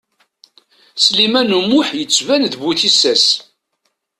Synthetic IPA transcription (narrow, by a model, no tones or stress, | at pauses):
slimænumːʊħjət͡sːvænðbuθisæs